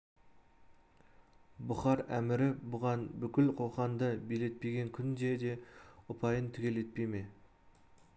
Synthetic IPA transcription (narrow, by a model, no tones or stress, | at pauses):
bʊχɑɾæmɪɾɪbʊʁɑnbʏkʲɪlqʰo̞qɑnd̪əbile̞t̪̚pe̞ɡʲe̞ŋkʲʰʏnd̪ed̪e̞ʊpʰɑjənt̪ʰʏkʲe̞le̞t̪̚peme̞